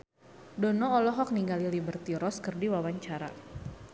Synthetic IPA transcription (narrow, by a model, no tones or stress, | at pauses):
dɔnɔɔlɔɦɔk̚niŋɡalilibərt̪iɾɔskərdiwawaɲt͡ʃaɾa̰